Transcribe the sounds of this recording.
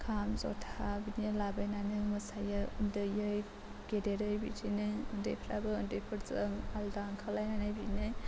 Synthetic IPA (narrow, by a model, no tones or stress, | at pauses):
kʰamzɔ̰tʰaabinɯlabajnanɯmɯsajɯundɯjɯj | ɡ̥edeɾɯjbḭtʰinɯjundḛjpʰɾabɯɯndejpʰɯɾzɯŋaldaŋkʰalajnanajbinɯj